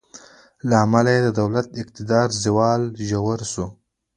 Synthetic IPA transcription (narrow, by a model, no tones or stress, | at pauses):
laːmalajed̪əd̪awlat̪ɪq̚t̪ɪd̪ɑːɾzɪwɑːlʒawaɾsu